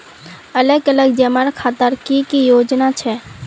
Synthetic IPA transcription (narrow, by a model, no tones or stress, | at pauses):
ələɡələɡd͡ʒəməɾkʰaːt̪əɾkikijoːd͡ʒnat͡ʃʰɛ